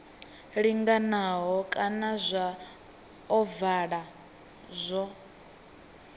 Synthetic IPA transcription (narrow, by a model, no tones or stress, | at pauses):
ɺiŋɡanaɦɔkʼanazʷa | ɔvaɺa | zʷɔ